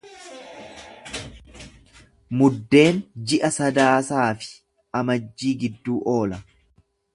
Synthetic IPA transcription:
mʊd̪ːe̞ːnd͡ʒɪʔɐsɐd̪aːsaːfɪ̥ | ʔɐmɐd͡ʒːiːɡɪd̪ːuːʔo̞ːlɐ

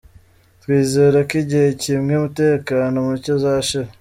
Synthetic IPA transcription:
twiːze̞ɾakiɟihe̞cimŋeumute̞ːkaːnomucozaːʃa

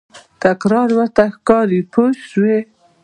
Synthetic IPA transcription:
t̪akɾɑɾwaɾt̪axkɑɾipʰoswe

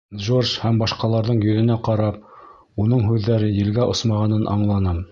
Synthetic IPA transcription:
ʒorʃhæmbɑʃqɑlˠɑɾðɤɴjɵ̆ðɘ̆næqɑɾɑp̚ | unɤɴɦʉðːæɾɘjɘ̆lɡæʔŏsmɑʁɑnɤnʔɑ̰ɴlˠɑnɑm

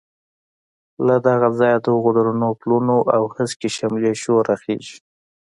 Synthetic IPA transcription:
lad̪aɣazɑjad̪əɣod̪aɾunoplunoʔawhəskeʃamleʃoɾaxḛʒi̥

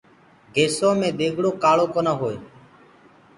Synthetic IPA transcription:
ɡʱeːsõːmẽːɗ̪eːɡʱɽoːkaːɭoːkoːnaːɦoːeː

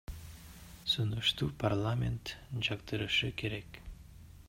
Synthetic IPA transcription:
sunuʃt̪uːpʰarlˠamʲḛnt̪d͡ʒɑqt̪ɯɾɯʃɯkʰe̞ɾek

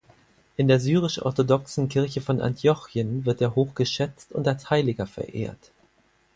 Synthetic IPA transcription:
ʔɪndeːɐzyːʁ̞ɪʃʔɔ̰ɐtodɔksn̩kʰɪɐçəfɔnʔa̰ntʰjɔçjənvɪɐtʔeːɐɦoːxɡ̥əʃɛt͡stʊntalshaɪlɪɡɐfɛ̰ɐʔḛːɐt

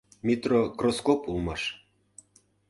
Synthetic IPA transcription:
mʲit̪rokroskopulmɑʃ

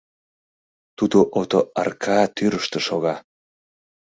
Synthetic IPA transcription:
t̪ud̪oʔot̪oɑ̰rkʰɑt̪yɾəʃt̪ə̆ʃoɣɑ

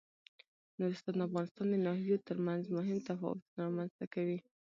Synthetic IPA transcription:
nuɾɪst̪ɑnd̪afɣɑnɪst̪ɑnd̪ənɑhjot̪əɾmanzmʊɦɪmt̪afɑ̰wʊ̰t̪unɾɑmanz̥t̪akawi

